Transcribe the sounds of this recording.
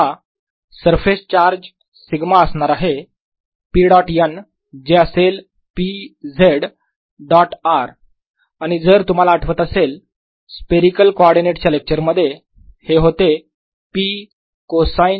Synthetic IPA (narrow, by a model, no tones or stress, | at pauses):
a | səɾfest͡ɕaɾd͡ʑ | siɡmaəsɳaɾaɦe | piːɽɔʈjən | d͡ʑeəsel | pid͡zeɽ | ɖɔʈaɾ | aɽ̃id͡zəɾt̪um̤alaːʈʰʋət̪əsel | speɾikəlkoɔɾɖineʈt͡ɕalek̚t͡ɕəɾməd̪ʱːje | heɦot̪e | pi | kosajn